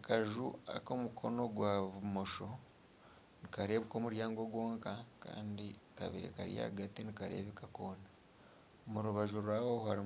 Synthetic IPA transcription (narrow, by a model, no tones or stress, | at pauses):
kaʒua̰ko̞mukʰo̞no̞ɡwaβumo̞ʃo̞ | nikaɾe̞ːβuko̞ːmuɾjaːŋɡo̞ɡwo̞ːŋkaka̰ːndi | ka̰βḭɾḛka̰ɾja̰ːɡatinikaɾe̞̰ːβikakoːna | omuɾuβaʒuɾwaːhohaɾi